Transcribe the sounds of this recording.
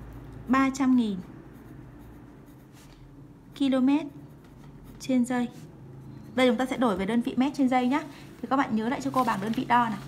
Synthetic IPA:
ɓaː˧t͡ɕa˧mŋi˨˩n | ki˧lo˧mɛ˦˥t̚ | t͡ɕe˧nzə˧j | ɗə˨˧˩t͡ɕʊ˨˦ŋ͡mt̪aː˧sɛ̰˧˥ɗo˧˩jve˨˩ɗəː˧nvḭ˧˨mɛ˦˥t̚t͡ɕe˧nzə˧jɲaː˨˦ | t̪ʰi˨˩kɔ˨˦˥ɓa̰ː˧˨ɲəː˨˦la̰ː˧˨jt͡ɕɔ˧ko˧ɓaː˨˩ŋɗəː˧nvḭ˧˨ɗɔ˧naː˨˩

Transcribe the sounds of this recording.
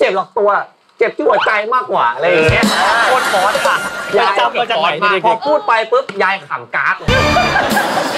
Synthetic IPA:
t͡ɕe˨˩p̚lɔː˨˩k̚t̪u˧ɐ˩ | t͡ɕe˨˩p̚t̪ʰiː˦˥˩u˩˦t͡ɕa˧jmaː˥˩kːwaː˨˩ʔɾa˧ja˨˩ŋ˩ŋi˦˥ɐ˧koː˥˩t̪̚fɔː˨˦˥nʰa˧˩ja˧˩˧t͡ɕa˧˥˩a˧t͡ɕa˨˦˧pʰɔː˧pʰuː˥˩t̪̚pa˧jpɯ˦˥p̚jaː˧ja˧t̪ʰa̰˩˦mkaː˦˥k̚ː

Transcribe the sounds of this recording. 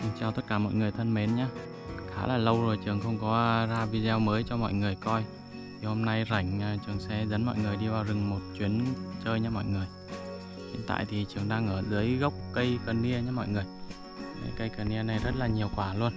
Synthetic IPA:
t͡ɕaː˧wt̪ə˦˥t̚kaː˧˩mɔ̰˧˨jŋɨ˨˩əjt̪ʰə˧nme˨˦nɲaː˨˧˦ | xaː˧˩laː˨˩lə˧wzo˨˩jt͡ɕɨ˨˩əŋxə˧wŋ͡mkɔ˨˦zaː˧vi˧zɛ˧wməː˨˦jt͡ɕɔ˧mɔ̰˧˨jŋɨ˨˩əjkɔ˧j | t̪ʰi˨˩ho˧mna˧jza˧˩jŋ̟ː˨˩t͡ɕɨ˨˩əŋsɛ˧zə˨˦nmɔ̰˧˨jŋɨ˨˩əjɗi˧vaː˨˩wzɨ˨˩ŋmo˨˩t̚t͡ɕwi˨˦ənt͡ɕəː˧jɲaː˧mɔ̰˧˨jŋɨ˨˩əj | zḭ˧˨nt̪a̰ː˧˨jt̪ʰi˨˩t͡ɕɨ˨˩əŋɗaː˧ŋʔəː˧˩zɨ˨˦əjɣə˦˥wk͡p̚kə˧jkəː˨˩nːi˧əɲaː˨˦mɔ̰˧˨jŋɨ˨˩əj̰ | kə˧jkəː˨˩ni˧əna˨˩jzə˦˥t̚laː˨˩ɲi˨˩əwkwaː˧˩lu˧ən

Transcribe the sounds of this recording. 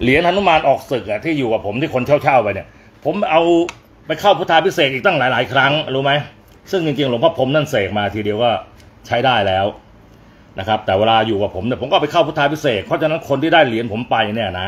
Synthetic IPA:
li˨˩˦ənt̪a˧nu˥˨maː˧nʔɔː˨˩k̚sɯ˨˩k̚ʔa˨˩t̪ʰiː˥˩juː˨˩ka˨˩pʰo˩˦mt̪iː˥˩kʰo˧nt̪ʰi˥˩˦wt͡ɕʰa˥˩wpa˧jni˧˩ | pʰo˩˦mʔa˧w | pa˧jkʰa˥˩wpʰu˦˥t̪ʰːaː˧pʰi˦˥seː˨˩t̪̚iː˨˩kt̪a˥˩ŋlaː˨˦jlaː˨˦jkʰɾa˦˥ŋɾuː˦˥ma˦˥j | sɯ˥˩ŋt͡ɕi˧ŋt͡ɕi˧ŋlo˨˩˦mpʰa˧˥˩pʰo˧˦mna˥˩nseː˨˩k̚maː˧t̪ʰiː˧di˧əwkɔː˥˩ | t͡ɕʰa˦˥jdaː˥˩jlɛː˦˥w | na˦˥kʰa˦˥p̚t̪ɛː˨˩weː˧laː˧juː˨˩kaː˨˩pʰo˩˦mni˩po˩˦kːpa˧jkʰa˥˩wpʰt̪ʰːaː˧npʰi˦˥seː˨˩t̪̚pʰɔ˦˥t͡ɕa˨˧na˦˥nkʰo˧nt̪i˥˩daː˥˩jli˩˦npʰo˩˦mpa˧ja˧nɛː˧˩˨na˦˥

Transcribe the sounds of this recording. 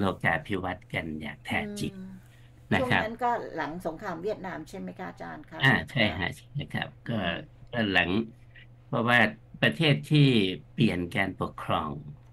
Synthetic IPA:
loː˧˩kaː˧˩pʰi˦˥wa˦˥t̪̚ka˧nja̰ː˨˩k̚t̪ʰɛː˧˩t͡ɕi˨˩t̚ | na˦˥˩kʰa̰˦˥na˦˥nkɔː˥˩la˨˩˦ŋso˩˦ŋkʰɾaː˧mwi˥˩ət̪̚naː˧mt͡ɕʰe˥˩nma˦˥jkʰa˦˥ʔt͡ɕaː˧nkʰa˦˥ʔaː˧˩t͡ɕʰa˥˩jɦʰa̰˧˩t͡ɕʰi̥˨˩t̚na˦˧˩kʰa̰˦˥p̚kɔː˥˩kɔː˥˩la˩˦ŋ | pʰɔ˧waː˥˩pɾa˧t̪ʰeː˥˩t̪ʰːiː˥˩pli˨˩ənkaː˧npu˨˩əkʰɾɔː˧ŋ

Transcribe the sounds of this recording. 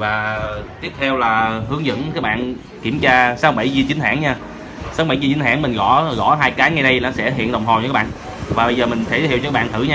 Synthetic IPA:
vaː˨˩t̪i˦˥əp̚t̪ʰɛ˧wlaː˨˩hɨ˨˦əŋzə̰˧˥nkaː˦˥k̚ɓa̰ː˧˨n | ki˧˩əmt͡ɕaː˧saː˨˦w̚ɓa˧˩jzi˧ət͡ɕï˦ŋ̟haː˧˥ŋɲaː˧ | saː˨˦wɓa˧˩jzi˧t͡ɕi˨˦n̟ɦa̰ː˧˩nmï˨˩ŋ̟ɣɔ˧˩ɣɔ̰˧˥ɦaː˧jkaː˨˦jŋa˨˩jɗə˧jnɔ˨˦sɛ̰˧˥ɦḭ˧˨ənɗə˨˩wŋ͡mɦo˨˩j̰kːa˦˥ɓ̰aː˧˨n | vaː˨˩ɓə˧jzəː˨˩mï˨˩ŋ̟t̪ʰe˧˩˧hwt͡ɕɔ˧aː˦˥ɓaː˧˨nt̪ʰɨ˧˩ɲaː˧

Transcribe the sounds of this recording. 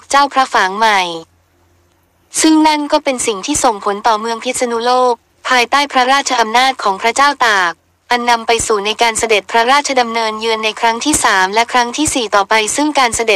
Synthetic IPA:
t͡ɕaː˥˩wpʰɾa˦˥faː˩˦ŋma˨˩j | sɯ˥˩ŋna˥˩nkɔː˥˩pe˧nsi˨˩ŋt̪ʰiː˥˩so˨˩ŋpʰo˩˦nt̪ɔː˨˩mɯ˧əŋpʰi˦˥t̪̚sa˧nu˦˥loː˥˩k̚ | pʰːaː˧jt̪aː˥˩jpʰɾa˦˥ɾaː˥˩t͡ɕʰa˧ʔa˧mnaː˥˩t̪̚kʰɔː˩˦ŋpʰɾa˦˥t͡ɕaː˥˩wt̪aː˨˩k̚ | ʔa˧nːa˧mpa˧jsuː˨˩na˧jkaː˧nsa˧de˨˩t̪̚pʰɾa˦˥ɾaː˥˩t̪̚t͡ɕʰa˧da˧mnɤː˧njɯ˧ənːa˧jkʰɾa˦˥ŋt̪ʰiː˥˩saː˩˦mlɛ˦˥kʰɾa˦˥ŋt̪ʰiː˥˩siː˨˩t̪ɔː˨˩pa˧jsɯ˥˩ŋkaː˧nsa˧de˨˩t̪̚

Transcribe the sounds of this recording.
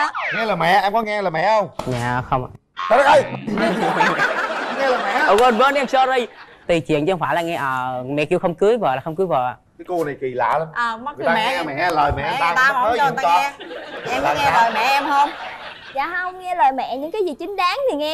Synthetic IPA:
a˨˦ŋɛ˧laː˨˩mɛ̰˧˨ʔɛ˧mkɔ˨˦ŋɛ˧laː˨˩mɛ̰˧˨hə˧wŋ͡mɲa̰ː˧˨xə˧wŋ͡m | aː˧˩ɗa˦k̚ʔə˧j | ŋɛ˧ləː˨˩jmɛ̰˧˨ə˨˩ɓə˧˩nɓə˨˦n˧ɛ˧msɔ˧ɾi˧j | t̪i˨˩t͡ɕwḭ˧˨ənt͡ɕɔ˧faː˧˩jlaː˨˩ŋɛ˧ʔəː˨˩mɛ̰˧˨ki˧wxə˧wŋ͡mkɨ˨˦əjvəː˨˩laː˨˩xə˧wŋ͡mkɨ˨˦jvəː˨˩ʔa˨˩kəː˨˦jko˧na˨˩jki˨˩la̰ː˧˨lə˧ʔəː˨˩m̚˦˥˨aː˧ŋaː˨˦aː˧˩mɛ̰˧˨˧ləː˨˩jmɛ̰˧˨ʔɛ˧˨˧t̪aː˧˦˧ə˦ə˧˩˨a˧ɔ˨˦˧ɛ˧aː˨˧˩ŋɛ˧əː˨mɛ̰˧˨ɛ˧mhəː˧m | za̰ː˧˨hə˧wŋ͡mŋɛ˧ləː˨˩jmɛ̰˧˨ɲɨ̰˧˥ŋkaː˨˦zi˨˩t͡ɕï˨˦ŋ̟ɗaː˨˦ŋt̪ʰi˨˩ŋɛ˧

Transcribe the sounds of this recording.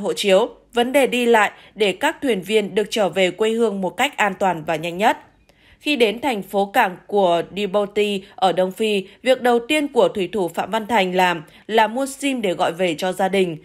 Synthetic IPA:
ɦo̰˧˨t͡ɕi˨˦əw | və˨˦nɗe˨˩ɗi˧la̰ː˧˨j | ɗe˧˩kaː˦˥k̚t̪ʰwi˨˩ənvi˧ənɗɨ˨˩ək̚t͡ɕəː˧˩ve˨˩kwe˧hɨ˧əŋmo˨˩t̚ka˦˥jk̚ʔaː˧nt̪waː˨˩nvaː˨˩ɲa˧jŋ̟ɲə˦˥t̚ | xi˧ɗe˨˦nt̪ʰa˨˩jŋ̟fo˨˦kaː˧˩ŋku˧˩əɗi˧ɓo˧t̪i˧ʔəː˧˩ɗə˧wŋ͡mfi˧vi˨˩ək̚ɗə˨˩wt̪i˧ənku˧˩ət̪ʰwi˧˩t̪ʰu˧˩fa̰ː˧˨mva˧nt̪ʰa˨˩jŋ̟laː˨˩m | laː˨˩mu˧əsi˧mɗe˧˩ɣɔ̰˧˨jve˨˩t͡ɕɔ˧zaː˧ɗï˨˩ŋ̟

